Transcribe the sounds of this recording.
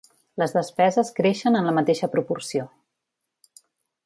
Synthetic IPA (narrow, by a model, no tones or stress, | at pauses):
ləzðəspɛzəskɾeʃənənləmət̪eʃəpɾupursio